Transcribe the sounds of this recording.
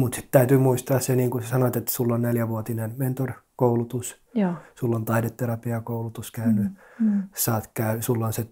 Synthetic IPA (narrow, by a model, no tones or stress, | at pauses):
mut̪si̥t̪t̪æyt̪yːmuist̪ɑːsseniːŋkussɑnot̪et̪sulːonneljæʋuot̪inenment̪orkoulut̪us | sulːont̪ɑidet̪ːerɑpiɑkoulut̪uskæyny | sɑːt̪kæysulːonse